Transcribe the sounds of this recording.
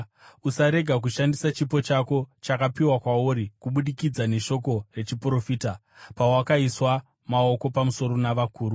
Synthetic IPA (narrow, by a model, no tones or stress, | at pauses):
usaɾe̞ɡʱak̬uʃandisat͡ʃipo̞t͡ʃako̞t͡ʃakapiwakwauɾikuɓuɗikid͡zane̞ʃo̞ko̞re̞t͡ʃipuro̞fiːta | pawakaiswa | mao̞ko̞pamuso̞ɾo̞naʋakuːɾu